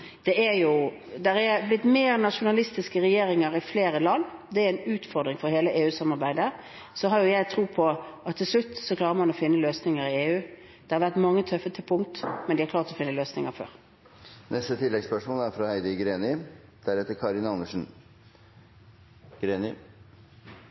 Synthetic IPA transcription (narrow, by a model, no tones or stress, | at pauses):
d̪̥ɛæjʊ | d̪ɛɾɛblɪt̪ːmeːɾnɑʂʊnɑlɪst̪ɪskəʁɛjeːɾɪŋəɾɪfleːɾəlɑnːd̪ɛæɾɛnʉːt̪fɔɾd̪ɾɪŋfɔɾheːləʔeːʉːsɑmːɑɾbæɪd̪ə | sɔɦɑɾjʊjæɪt̪ʰɾuːpʰɔɑt̪ʰːɪlslʉt̪ːsɔkʰlɑːʁəɾmɑnɔfɪnːəløːsnɪŋəɾɪeːʉː | d̪̥ɛhɑɾʋæʁt̪mɑŋːət̪ʰœfət̪ʰɪpʰʊŋt̪mɛnd̪ɪhɑɾkʰlɑːʁt̪ɔfɪnːəløːsnɪŋəfø̰ːɾ | nɛst̪ət̪ʰɪlːɛɡspœʂmoːlæɾfɾɑhæɪd̪əɡɾeːnɪd̪̥æɾɛt̪əɾkʰɑɾɪnɑnəʂn̩ | ɡ̥ɾeːnɪ